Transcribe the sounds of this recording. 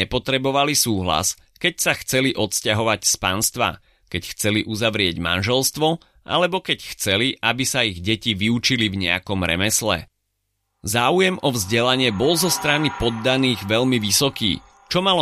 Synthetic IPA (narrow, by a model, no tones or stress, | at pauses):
ɛpɔt̪ɾɛbɔʋalisuːɦla̰s | kɛcsaxt͡sɛliʔɔt̪scaɦɔʋacspanst̪ʋa̰ | kɛcxt͡sɛliʔuzaʋɾɪɛɟma̰nʒɛlst̪ʋɔ | ʔa̰lɛbɔkɛcxt͡sɛliʔabisaiɣɟɛciʋiut͡ʃilivɲɛ̰a̰kɔmɾɛ̰mɛslɛ̰ | zaːujɛmɔvzɟɛlaɲɪɛbɔlzɔst̪ɾanipɔd̪ːaniːɣʋɛʎmiʋisɔkḭː | t͡ʃɔmalɔ